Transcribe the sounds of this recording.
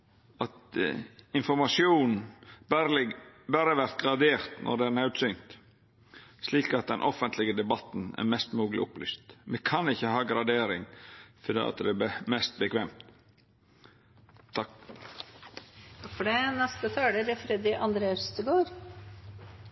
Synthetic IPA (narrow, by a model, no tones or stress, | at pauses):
ɑt̪ | ɪnfɔɾmɑsjuːnn̩b | bæɾəʋæɾt̪̚ɡɾɑd̪eːɾt̪nʔɔ̰d̪ɛæɾnɑʉd̪sʏnt̪ | sliːkɑt̪̚d̪ɛnʔɔfənt̪ʰlɪɡəd̪ɛbɑt̪n̩æ̰ɾmɛst̪muːɡlɪ̰ʔʊply̰ːst̪mɛkʰɑnɪçːəhɑːɡɾɑd̪eːɾɪŋfɔd̪ḛːɑ̰t̪̚d̪ɛæmɛst̪̚bəkʰʋɛːmt̪ | ɑ | ɑfɔɖɛnɛst̪ət̪ʰɑːɖəɾɛfɾɛd̪ɪʔɑnd̪ɾəəst̪əɡoːɾ